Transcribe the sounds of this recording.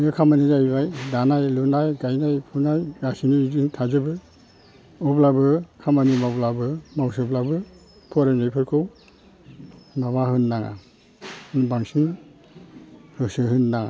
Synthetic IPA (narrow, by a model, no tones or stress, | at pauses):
ɯkʰamanizajβajdanajlunajɡajnajpʰunajɡasinizɯŋtʰazɯbɯ | ublabɯkʰamanimablabɯmawsɯblabɯ | pʰɔɾenajpʰɯɾkʰɯw | maβaɦɯnːaŋa̰ | nbaŋsɯŋ | hɯsɯɦɯnːaŋa̰